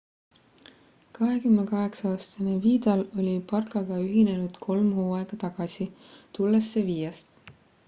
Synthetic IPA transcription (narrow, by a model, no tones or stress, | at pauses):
kɑɦe̞kymnekɑɦe̞ksɑɑːst̪ɑneviːd̪̥ɑlo̞lʲipɑrkɑɡ̥ɑyɦine̞nud̪̥kʰo̞lmhuːɑeɡ̥ɑt̪ɑɡ̥ɑsi | t̪ulːesːeviːjɑst̪